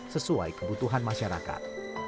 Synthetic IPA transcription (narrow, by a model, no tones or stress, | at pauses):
səsua̰jkəbut̪uɦanmãʃaɾa̰ka̰t̪̚